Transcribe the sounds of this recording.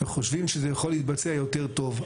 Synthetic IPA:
eχoʃvimʃezejaχo̞lit̪̚bat͡seajo̞te̞ʁt̪o̞v

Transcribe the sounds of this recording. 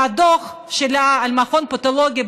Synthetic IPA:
ad̪oχ | ʃelaːlmaχonpot̪oloɡʲi

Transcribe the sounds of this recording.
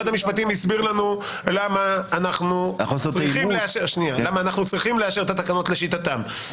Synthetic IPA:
adhamiʃpat̪imisbiʁlanu | lamaːnaχnuχoseʁʁaiχieaʃeʃnialamaːnaχnut͡sʁiχimleaʃeet̪at̪akano̞t̪le̞ʃit̪at̪am

